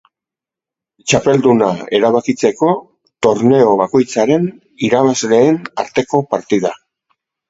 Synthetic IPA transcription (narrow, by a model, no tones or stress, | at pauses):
t͡ʃape̞ld̪unae̞ɾaβakit͡se̞ko̞ | t̪o̞ɾne̞o̞βako̞jt͡saɾe̞n | iɾaβazle̞ːnaɾt̪e̞ko̞paɾt̪iða